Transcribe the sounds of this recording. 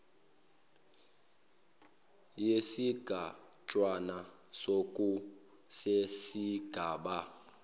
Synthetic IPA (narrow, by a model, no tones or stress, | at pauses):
jesiɡ̥ʱa | t͡ʃʼwana | sokʼu | sesiɡ̥ʱaːɓa